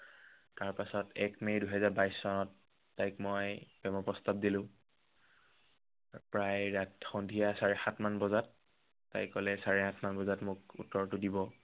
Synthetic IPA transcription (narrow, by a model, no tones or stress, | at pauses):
taɹpasɔtɛkmejduɦɛzaɹbajsːɔnɔtː | ajkmɔjb̥ɛmɔpɔstab̚dilʊ̃ | pɹajɹatxɔndʱijasaɹɛxatʰmanbɔzat̚ː | a̰jkːɔlɛsaɹɛhatʰmanbɔzatmʊkṵtːɔɹtʊdibɔ